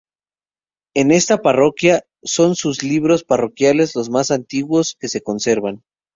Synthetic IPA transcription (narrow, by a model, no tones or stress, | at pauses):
e̞ne̞st̪aparo̞kja | so̞nsuzliβɾo̞sparo̞kjale̞zlo̞zmasant̪iɣwo̞ske̞se̞ko̞nse̞ɾβan